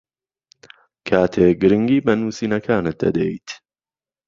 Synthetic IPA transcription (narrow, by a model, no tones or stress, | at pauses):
kʰaːt̪ʰekɡɨɾɨŋɡiːbɐnuːsiːnɐkʰaːnɨt̪̚d̪ɐ̰d̪ɛ̰jt̪